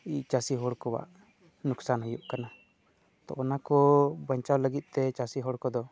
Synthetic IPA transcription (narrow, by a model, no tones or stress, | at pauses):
it͡ʃasiɦɔɽkɔwa̰ʔ | nuksanɦɔjuʔkana | t̪ɔ̰ʔɔnakɔbəɲt͡ʃawləɡit̪̚ˀt̪ɛt͡ʃasiɦɔɽkɔd̪ɔ